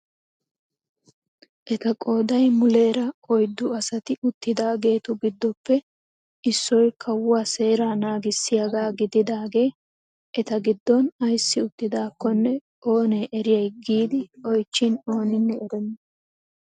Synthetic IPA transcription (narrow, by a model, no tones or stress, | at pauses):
ʔɛt̪ɐkʼo̞ːd̪ɐjmʊle̞ːɾɐɔjd̪ːʊɐsɐt̪ɪʔʊt̪ːɪd̪aːɡe̞ːt̪ʊɡɪd̪ːɔpːɛ | ʔɪsːɔjkʰɐwʊaːse̞ːɾaːnaːɡɪsːɪjɐɡaːɡɪd̪ɪd̪aːɡe̞ː | ʔɛt̪ɐɡɪd̪ːɔnɐjsːɪʊt̪ːɪd̪aːkːɔnːɛ | ʔo̞ːne̞ːʔɛɾɪjɐjɡiːd̪ɪɔjt͡ʃːɪno̞ːnɪnːɛɛɾɛnːɐ